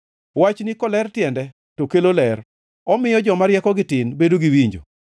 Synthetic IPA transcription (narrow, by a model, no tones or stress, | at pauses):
wat͡ʃnɪkɔlɛrtjɛndɛ | tokelolɛr | ɔmɪjɔd͡ʒɔmaɾjɛkɔɡɪtɪnbedoɡiwiɲd͡ʒo̰